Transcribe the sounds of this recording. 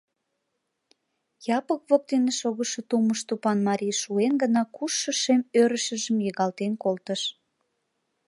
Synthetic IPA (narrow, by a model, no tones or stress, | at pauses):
jɑpəkβok̚t̪eneʃoɣəʃot̪uməʃt̪upɑnmɑɾʲijʃuenɡənɑkuʃːəʃemøɾəʃə̆ʒəmjəɣɑlt̪enkolt̪əʃ